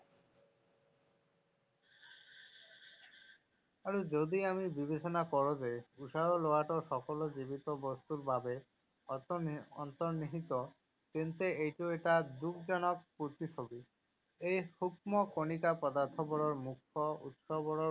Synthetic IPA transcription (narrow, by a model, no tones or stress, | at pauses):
aɾud͡ʑod̪iamibibet͡ɕɔnakɔɾod͡ʒejuʃaɾoloaʈoʃɔkɔlod͡ʑibit̪ɔbɔst̪uɾbʱabe | ɔ̰nt̪ɔɾniɦit̪ɔ | kent̪eejʈueʈad̪uk̚d͡ʑɔnɔk̚puɾt̪it͡ʃʰobi | ejhuk̚mɔkonikapɔd̪aɾt̪ʰɔbɔɽɔɾmukʰːɔṵt̪ʃɔbɔɽɔ